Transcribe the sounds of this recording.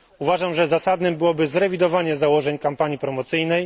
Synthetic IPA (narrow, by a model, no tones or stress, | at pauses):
uvaʐamʐɛzasad̪nɘmbɘwɔbɘzɾɛvʲid̪ɔvaɲɛzawɔʐɛɲkampaɲipɾɔmɔt̪sɘjnɛj